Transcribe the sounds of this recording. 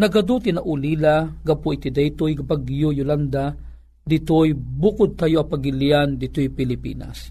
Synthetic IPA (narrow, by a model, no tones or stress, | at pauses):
nɐɡɐd̪ut̪inaʔʊlilaɡɐpʊit̪id̪ɛjt̪ojɡapaɡjʊjʊland̪a | d̪ɪt̪ojbukʊd̪̚t̪ajoʔapaɡɪlijand̪ɪt̪ojpɪlɪpḭːna̰s